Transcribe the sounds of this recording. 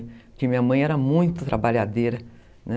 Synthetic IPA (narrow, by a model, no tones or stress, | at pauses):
kɪmĩɲɐmɐ̃j̃ɛɾɐmũj̃t̪ʊt̪ɾabaʎad̪eɾɐ | nɛ